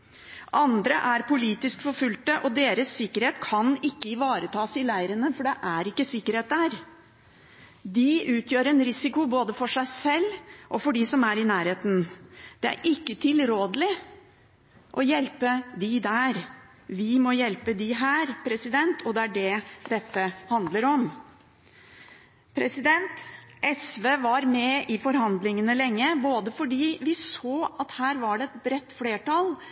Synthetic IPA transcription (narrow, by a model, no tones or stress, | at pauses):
ʔɑnd̪ɾəʔæɾpʊliːt̪ɪskfɔɾfʉlt̪əʔɔd̪eːɾəsːɪkːəɾheːt̪kʰɑnɪkːəɪʋɑːɾət̪ʰɑːsɪlæɪəɾənəfɔɖɛʔæɾɪkːəsɪkːəɾheːt̪̚d̪æɾ | d̪ɪʉːt̪ʰjøːɾɛnɾɪsɪkʊboːd̪əfɔʂæɪsɛlːʔɔfɔɖisɔmæɾɪnæːɾheːt̪n̩d̪̥ɛæ̰ɾʔɪkːət̪ʰɪlɾoːd̪əlɪ | ʔɔjɛlpəd̪ɪd̪æɾ | ʋɪmɔjɛlpəd̪ɪɦæːɾpʰɾɛsɪd̪ɛnt̪ʰɔd̪ɛæɖɛd̪̥ɛt̪ːəhɑnd̪ləɾɔm | pʰɾɛsɪd̪ɛnt̪ʔɛsʋeːʋɑɾmɛʔɪfɔɾhɑnd̪lɪŋənəlɛŋːəboːd̪əfɔɖiːʋɪsoːɑt̪hæːɾʋɑɖɛɛt̪bɾɛt̪ːfleːʈɑl